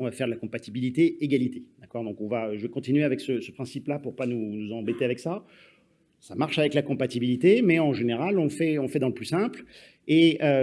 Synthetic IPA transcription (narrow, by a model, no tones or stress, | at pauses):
ɔ̃vafɛʁd̪əlakɔ̃pat̪ibilit̪eeɡalit̪ed̪̥akɔʁd̪ɔ̃kɔ̃vaøʒəvekɔ̃t̪inɥeavɛksəsə̥pχɛ̃siplapuʁpanunuzɑ̃bet̪eavɛksa | samaʁʃavɛklakɔ̃pat̪ibilit̪emɛɑ̃ʒeneʁalɔ̃fɛɔ̃fɛd̪ɑ̃ləplysɛ̃pl | eø